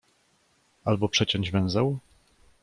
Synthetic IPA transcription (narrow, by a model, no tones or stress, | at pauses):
albɔpʂɛt͡ɕɔ̃ɲd͡ʑvɛ̃w̃zɛw